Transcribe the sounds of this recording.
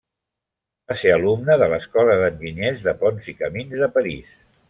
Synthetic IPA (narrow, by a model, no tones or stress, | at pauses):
baseəlumnəðələskɔləðənʒiɲezðəpɔnzikəminzðəpəɾḭs